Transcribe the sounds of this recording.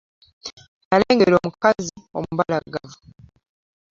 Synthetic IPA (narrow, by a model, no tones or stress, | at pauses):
aɾeːŋɡeɾo̞ːmukazio̞̰muβalaɡavu